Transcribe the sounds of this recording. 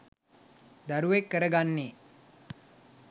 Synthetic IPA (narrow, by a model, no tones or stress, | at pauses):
d̪aɾuʋekːəɾəɡanːe